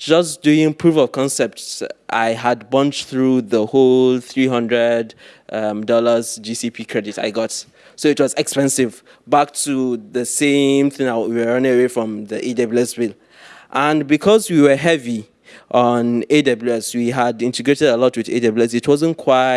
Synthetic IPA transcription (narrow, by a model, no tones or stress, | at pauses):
d͡ʒʌsd̥uɪ̃ŋpʰɹ̥ufɔv̥kʰɔ̃nsɛp̚tsʔa̰ɪad̚bʌ̃nt͡ʃθɹuðəholˠθɹiɦʌ̃ndɹədʔʌmdɔləzd͡ʒisipʰikʰɹɛdita̰ɪɡɔt | soɪtwɔzɛkspɛ̃nsɪv | bak̚tʰuðəsẽmθɪ̃ŋawiwəɹʌ̃nɪ̃ŋəwefɹɔ̃mðiʔedeblɛsbil | ʔə̃nbikʰɔzwiwə˞ɦɛvi | ʔɔ̃nedʌblɛswiɦadɪ̃ntəɡɹetɛdəlɔtwɪðḛdʌbl̩ɛsɪtʰwɔzə̃nkʰwaɪ